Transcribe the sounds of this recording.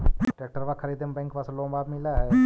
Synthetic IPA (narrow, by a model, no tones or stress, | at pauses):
ʈeːk̚ʈəɾʋakʰəɾiːd̪əmbɛ̃ːŋkʋaslõːmbaːb̪mɪlaːɦɛː